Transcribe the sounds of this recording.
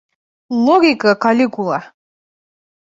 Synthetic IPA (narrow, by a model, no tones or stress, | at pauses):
lˠɔɡʲikʼakalʲikʼulˠa